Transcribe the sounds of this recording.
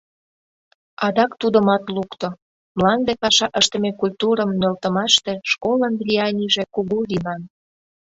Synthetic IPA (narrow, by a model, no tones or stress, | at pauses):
ɑd̪ɑkt̪ud̪ə̆mɑt̪lukt̪o | mlˠɑnd̪epɑʃɑʔəʃt̪əmekulʲt̪uɾə̆mːĕlt̪ə̆mɑʃt̪e̽ʃkolənd̪lʲiɑnʲiʒekuɣulinɑn